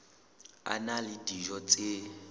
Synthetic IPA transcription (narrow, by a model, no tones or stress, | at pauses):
a̰nalitiʒɔt͡sʼe